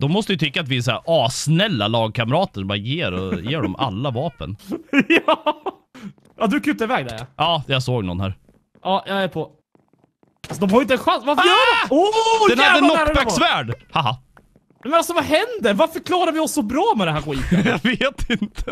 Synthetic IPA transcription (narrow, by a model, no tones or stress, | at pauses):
d̪̥ɔmːɔst̪əjʏt̪ʰʏkːat̪vɪɛsæ̰ɾɑːsnɛlːa̰lɑːɡ̚kʰaməɾɑːt̪əʂɔmbɑːɾajeːɾɔjeːɖɔma̰lːavɑːpə̰nj | jɑd̪ɵkʰʉt̪ːaɪvɛːɡ̚d̪ɛ̰ɾja̰ʔɑːjɑsoːɡnɔ̰nhæ̰ːɾ | ʔɑːjɑæpʰɔ | alsɔd̪ɔmhaɾjʏɪnt̪ɛnɧansvafjœːɖɛod̪ɛnhad̪ːənɔbɛsvæːɖhaɦa | nɛmɛnalsɔvaɦɛnd̪əɾvaɾfœɾkʰlɑːɾaɾvɪɔsːɔbɾɑːmɛd̪ɛnɦæːɾɧwiːt̪veːt̪ʰɪnt̪ʰə